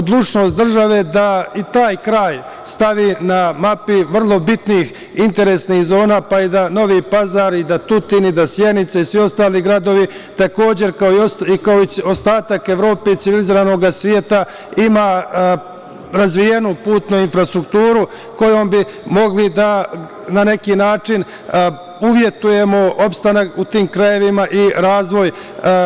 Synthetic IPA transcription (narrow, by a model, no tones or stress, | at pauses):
od̪lˠut͡ʃno̞ːst̪̚d̪r̩ʒaʋe̞d̪ait̪aːjkɾaːj | st̪aʋiːnamapiʋr̩lˠo̞bit̪niːx | int̪e̞ɾesniːxzo̞ːnaːpaid̪ano̞ʋipazaɾid̪at̪ut̪iːnid̪asje̞nit̪saisʋio̞st̪aːliɡɾad̪o̞ʋi | t̪ako̞ːd͡ʑe̞ɾkaoioikaoiost̪aːt̪ake̞ʋɾo̞ːpe̞it̪siʋiliziɾano̞ɡasʋjeːt̪a | ima | ɾazʋije̞nupuːt̪nuinfɾast̪ɾukt̪uːɾu | ko̞jo̞mbi | mo̞ɡlid̪a | nane̞kiːnaːt͡ʂin | uʋje̞t̪uje̞mo̞o̞pst̪anakut̪iːmkɾaje̞ʋimaʔiɾaːzʋo̞j